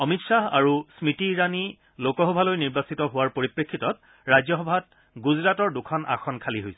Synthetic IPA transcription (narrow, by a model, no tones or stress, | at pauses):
ɔmitsaɦa̰ɹusmitiɹani | lokɔɦɔbʱalojniɹbasitɔɦʊwaɹpoɹipɹekʰːitɔt̚ | ɹajzɔɦɔbʱat̚ | ɡuzɹatɔɹdukʰɔna̰xʰɔnkʰaliɦojsɛ